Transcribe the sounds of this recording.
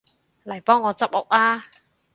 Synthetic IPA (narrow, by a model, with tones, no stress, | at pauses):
lɐ˨˩jpɔː˥ŋːɔː˨˧t͡sɐ˥p̚ʊ̰˨˩k̚aː˥